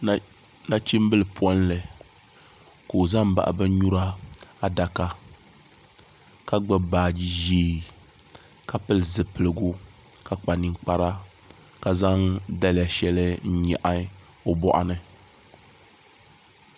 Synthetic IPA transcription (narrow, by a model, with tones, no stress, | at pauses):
na˦t͡ʃi˦m˦bɨ˦lɨ˨pʰwɔ˦n˦lɨ˨ | ko˨o˨za˦m˦ba̰˨ʔa̰˨bɨ˦ɲu˦ɾa˦a˦da˨ka˦ | ka˦ɡ͡bɨ˦baː˨˦˨d͡ʒi˦ʒiː˦ | ka˨pɨ˦lɨ˨zɨ˨pɨ˨lɨ˨ɡu˦ | ka˨k͡pa˨ni˦ŋ˦k͡pa˦ɾa˦ | ka˨za˦ŋda˦lja˨ʃɛ˦lɨ˦n̩˦ɲɛ˨ʔa˦ | o˦bɔ̰˦ʔa̰˦nɨ˦